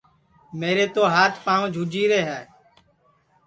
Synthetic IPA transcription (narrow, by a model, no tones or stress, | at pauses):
meːɾeːt̪oːɦaːt̪ʰpãːʋõːd͡ʒʱuːd͡ʒiːɾeːɦɛː